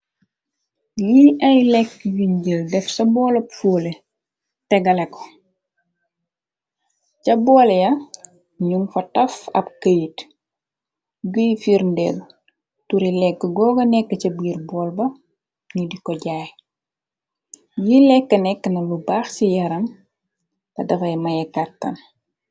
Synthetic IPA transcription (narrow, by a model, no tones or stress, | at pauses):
jiɐjlɛkːjuɲɟəldɛfsɐbɔːlɐpfoːle | tɛɡɐlɛkɔ̥ | cɐbɔːljɐ | ɲumfɐtɐfɐ̰b̚kəjit | ɡəjfiɾndɛ̰ːl | tuɾilɛkːəɡɔːɡɐnɛkːəcɐbiːrbɔːlbɐ | ɲudikɔɟaːj | jilɛkːɐnɛkːənɐlubaːxsijɐɾɐm | tɐdɐfɐjmɐjɛkatːɐ̰n